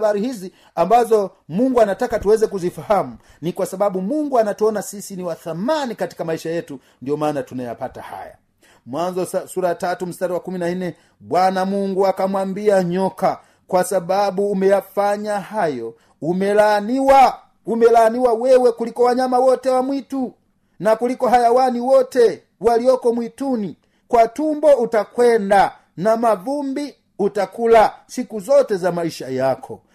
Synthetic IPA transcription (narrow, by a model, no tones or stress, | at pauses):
ɓaɾihizi | ambazɔ | muŋɡuanatakatuwɛzɛkuzifahamu | nikwasaɓaɓumuŋɡuanatuɔnasisiniwaθamanikati̥kamaiʃajɛtu | ndiɔmaːnatunaja̰pata̰ha̰ja̰ | mwanzɔsuɾatatum̩staɾiwakuminainɛ | ɓwanamuŋɡuakamwambiaɲɔka | kwasaɓaɓuːmɛjafaɲahajɔ | umɛlaniwa | umɛlaniwawɛwɛkulikɔwaɲamawɔtɛwamwitu | nakulikɔɦajawaniwɔtɛ | waliɔkɔmwituni | kwatumbɔutakwɛnda | namavumbi | utakulasikuzɔtɛzamaiʃajakʰɔ̰